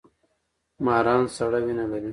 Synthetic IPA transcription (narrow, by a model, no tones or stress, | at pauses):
mɑːɾɑːnsɐɽawinalaɾi